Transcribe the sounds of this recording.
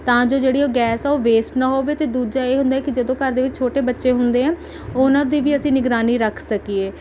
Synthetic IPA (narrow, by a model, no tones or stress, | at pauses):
t̪ãːd͡ʒoːd͡ʒeːɽiːoːɡɛːsɛoːʋeːsʈnaːɦoːʋeːt̪eːd̪uːd͡ʒaːeːɦʊ̃nd̪aːɛːkɪd͡ʒəd̪õːkəɾd̪eːʋɪt͡ʃt͡ʃʰoːʈeːbətːʃeːɦʊnd̪eːɛ̃ː | onãːd̪iːʋiːəsĩːnɪɡɾaːniːɾəkʰsəkieː